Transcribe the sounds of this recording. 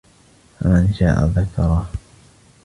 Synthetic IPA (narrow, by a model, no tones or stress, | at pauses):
famanʃa̰ːʔa̰ðakɑɾˤɑ